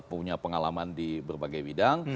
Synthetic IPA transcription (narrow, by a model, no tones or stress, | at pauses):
puɲapəŋalamandibərbaɡajbidaŋ